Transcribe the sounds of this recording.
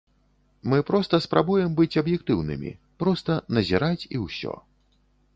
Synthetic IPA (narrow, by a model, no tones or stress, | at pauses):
mɨpɾɔst̪ɐspɾabujɛmbɨt͡sʲɐbjɛk̚t̪ɨwnɨ̰mʲḭ | pɾɔst̪ɐnɐzʲiɾat͡sʲiwsʲɔ̰